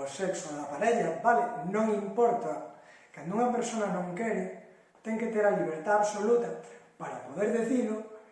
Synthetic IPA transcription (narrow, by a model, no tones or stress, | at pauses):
osɛksʊðapaɾeʎabalenõŋimpɔɾt̪a | kand̪uŋɐpeɾsonɐnõŋkɛɾɪ | t̪ɛŋket̪eɾaliβ̞eɾt̪aaβsolut̪ɐpaɾapoðeɾðeθiðʊ